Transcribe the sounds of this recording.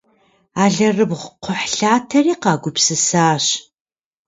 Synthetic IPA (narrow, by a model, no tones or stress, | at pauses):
aːɮɐrɨbʁʷqʷʊħɬaːtʰɐriːqɑːɡʷʊpsɨsaːɕ